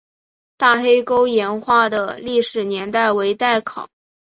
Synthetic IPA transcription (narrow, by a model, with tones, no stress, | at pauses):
t̪a˥˩xe˥ɪko˥ʊjɛ˧˥nxwa˥˩d̪ə˩li˥˩ʂɻ̩˨˩njɛ˧˥nt̪a˥˩ɪwe˧˥ɪt̪a˥˩ɪkʰɑ˨˩˦ʊ